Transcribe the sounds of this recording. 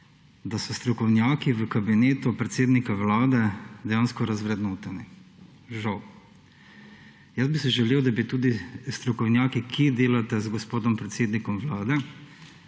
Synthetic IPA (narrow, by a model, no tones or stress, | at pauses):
d̪asɔst̪ɾɔkɔwnjaːkiʋəkabineːt̪upɾɛt̪seːd̪nikawlaːd̪ɛd̪ɛjaːnskɔɾazʋɾɛd̪noːt̪ɛni | ʒaw | jəzbisɛʒɛleːwd̪abit̪uːd̪ist̪ɾɔkɔwnjaːkikʰed̪eːlat̪ɛzɡɔspoːd̪ɔmpɾɛt̪seːd̪nikɔmʋlaːd̪ɛ